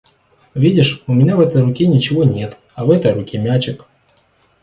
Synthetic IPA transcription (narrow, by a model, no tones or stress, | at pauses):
vʲidʲɪʂʊmʲɪnʲavɛt̪əjrʊkʲinʲɪt͡ɕɪvonʲet̪ | ɐvɛt̪əjrʊkʲimʲat͡ɕɪk